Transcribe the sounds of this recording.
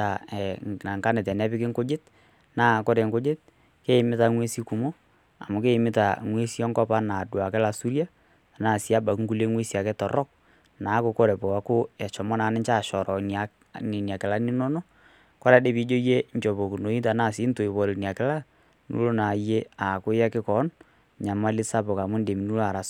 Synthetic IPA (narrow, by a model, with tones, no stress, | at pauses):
a˨ɛ˨na˨ŋka˦nɪ˨t̬ɛ˨nɛ˦pɪ˦kɪ˦ŋko˦d͡ʒe˦t̚ | naː˦˨ko˦ɾe˨ŋko˦d͡ʒe˦t̚ | ke˦˨mɪ˦ta˨ŋwe˦si˦ku˨mo˦ | a̰˨mʊ˨ke˦˨mɪ˦ta˨ŋwe˦si˦ɔ˦ŋkɔ˦pa˦na˨dwa˨kɛ˦la˨su˦ɾja˦˨ | naː˦˨si˦a˦ba˨kŋ̩ku˦le˦ŋwe˦si˨a˨kɛ˦tɔ˨ɾɔ˦k̚ | naː˨˦kʊ˨ko˦ɾɛ˨pɔ˨a˨˦kʊ˦ɛ˨t͡ʃɔ˨mɔ˦na˨˦nɪ˦ɲt͡ʃa˦˨ʃɔ˨ɾɔ˨na˨ | nɪ˨nja˨kɪ˨la˦nɪ˦nɔ˦no˦ | kɔ˦ɾa˦de˦pi˨˦d͡ʒo˦je˦ɲt͡ʃɔ˨bo˨ku˨no˨˦i˦ta˨naː˦˨sɪ˨˦nto˨ɪ˨βɔ˨le˨ni˨a˨kɪ˦la˦ | nṵ˦lo˦na˨je˦a˨kʊ˦ja˦kɪ˦kɔ˨˦n | ɲa˨ma˦lɪ˦sa˦pʊ˨ka˨mʊ˦nde˨mi˨nu˦lo˦a˨ɾa˨s